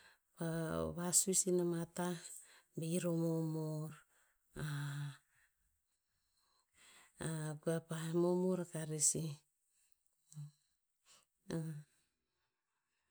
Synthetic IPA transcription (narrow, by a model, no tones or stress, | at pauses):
paβasusinamatabeiɾomomoɾ | a | aɡuapamomoɾakaɾesi